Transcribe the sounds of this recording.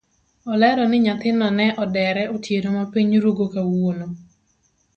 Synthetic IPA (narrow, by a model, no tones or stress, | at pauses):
ɔlɛɾɔnɪɲat̪ɪnɔnɛʔɔdɛɾɛotjeɾomapiɲɾoɡokawono